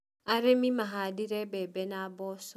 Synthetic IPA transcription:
aɾemimaɦadɪɾebebenaabɔsɔ

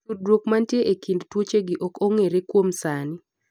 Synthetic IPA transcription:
udɾwokmantjeʔekindtwot͡ʃeɡiʔɔkoŋeɾekwomsanɪ

